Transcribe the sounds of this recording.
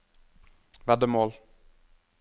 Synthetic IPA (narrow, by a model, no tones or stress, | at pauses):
vɛd̪əmoːl